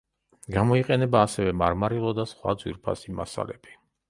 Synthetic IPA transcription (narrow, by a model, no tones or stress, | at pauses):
ɡamɔiqʼɛnɛbaːsɛvɛmaɾmaɾilˠɔd̪asχwa̰d̪zwḭɾpʰa̰sima̰sa̰lɛ̰bi̥